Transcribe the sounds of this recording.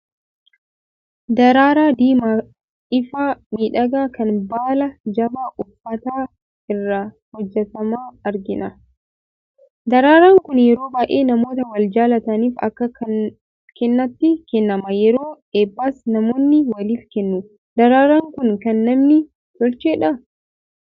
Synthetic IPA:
d̪ɐɾaːɾaːd̪iːma | ɪfaːmiːᶑɐɡaːkɐnbaːlɐd͡ʒɐbaːʔʊfːɐt̪aː | ɪrːɐ | hɔd͡ʒːɛt̪ɐmaːɐɾɡɪnɐ | d̪ɐɾaːɾaːŋkʊnjɛɾoːbaːʔeːnɐmo̞ːt̪ɐwɐld͡ʒaːlɐt̪ɐniːfɐ̰kːɐɐ | kɛnːɐt̪ːɪkɛnːɐmɐjɛɾo̞ːᶑeːbːaːsnɐmo̞ːnːɪwɐliːfkɛnːʊ | d̪̥ɐɾaːɾaːŋkʊnkɐnːɐmnɪ | t̪ɔlt͡ʃeːᶑɐ

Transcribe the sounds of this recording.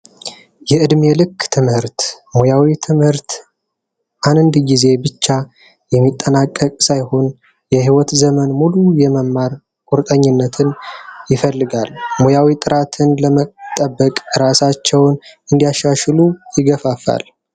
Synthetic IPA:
jɛʔɨd̪melɨkʰːt̪ʰɨmhɨɾt̪mojawit̪ʰɨmhɨɾt̪ | ʔanɨnd̪ɡize̞bɨt͡ʃːa | jɛmːit̪ʼːənakʼːəkʼsajho̞n | jɛɦiwɔt̪zəmənmulujɛməmːaɾ | kʷʼuɾt̪ʼəɲːɪnːət̪ʰɨnjɪfəlːɨɡalmojawit̪ʼɨɾat̪ʰɨnləmət̪ʼːəbːəkʼɨɾasat͡ʃːɛwnɨnd̪ijaʃaʃlujɪɡəfafa̰l

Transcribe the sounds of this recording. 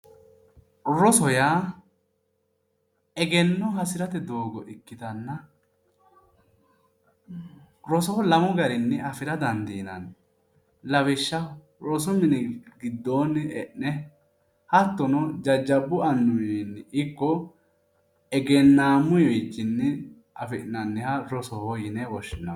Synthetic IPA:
ɾɔsɔjaː | ɛɡɛnːɔɦɐsɪɾɐt̪ɛd̪oːɡɔʔɪkːɪt̪ɐnːɐ | ɾɔsɔlɐmɔɡɐɾɪnːɛɐfɪɾɐd̪ɐnd̪iːnɐ̰n | lɐwɪʃːɐ | ɾɔsɔmɪnɛɡɪd̪ːoːnɛʔnɛ | hɐt̪ːɔnɔd͡ʒɐd͡ʒːɐbːʊɐnːʊjɛnːɪkːɔ | ɛɡɛnːaːmʊjet͡ʃːɪnːɛ | ɐfɪʔnɐnːɛhɐɾɔsɔhɔjɪnɛwɔʃːɪnːɐ

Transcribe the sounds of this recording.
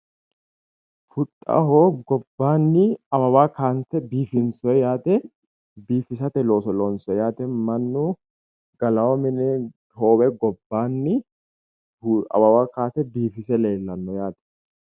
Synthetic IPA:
fʊt̪ʼːɐ̰ɦoːɡɔbːaːnːɪɐbɐwaːkʰaːnsɛbiːfɪnsɔjaːt̪ɛ | biːfɪs̬ɐt̪ɛlo̞ːsɔlɔnsɔɛjaːt̪ɛmɐnːu | ɡɐlɐwɔmɛnɛ | ho̞ːwɛɡɔbːaːnːɪ | ɐ̰bɐwaːkaːsɛbiːfɪsɛleːlːɐnːɔjaːt̪ɛ̥

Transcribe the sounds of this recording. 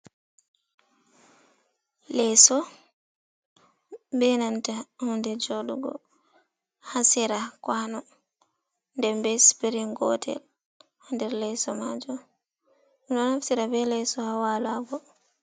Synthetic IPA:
lɛsɔ | bɛnantahundɛd͡ʒoɗṵɡɔ̰ | hasiɾakwanɔ | ndɛmbɛspiɾinɡɔ̰tʰɛ̰l | hundɛɾlɛsɔmad͡ʒɔ | dɔnhafsiɾabɛlɛsɔhawalaɡɔ

